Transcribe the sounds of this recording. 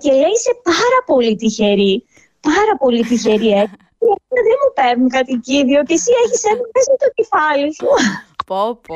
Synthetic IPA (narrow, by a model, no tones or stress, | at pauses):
ce̞leise̞pɐɾɐpo̞lit̪içe̞ɾi | pɐɾɐpo̞lit̪içe̞ɾiei | iɐkonɐðenmupe̞ɾnuŋkɐt̪iciðio̞cesie̞çisenɐme̞sɐt̪ocefɐlisu